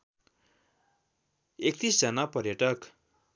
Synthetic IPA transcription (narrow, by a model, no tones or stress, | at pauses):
ek̚t̪isd͡zʌnapʌrjʌʈʌk